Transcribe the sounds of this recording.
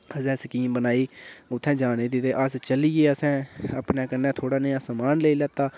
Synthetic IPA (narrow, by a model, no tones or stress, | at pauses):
əsɛ̃ːsəkiːmbənaːiːʊt̪ʰːɛ̃ːd͡ʒaːneːd̪ɪt̪eːʔəst͡ʃəlieːəsɛ̃ːəpnɛːkənːɛ̃ːt̪ʰoːɽaːnəjãːsəmaːnleiːlɛːt̪aː